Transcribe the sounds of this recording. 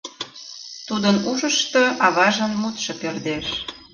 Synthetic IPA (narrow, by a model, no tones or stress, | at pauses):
t̪ud̪ənuʃəʃt̪oʔɑβɑʒənmut̪ʃɤpørd̪eʃ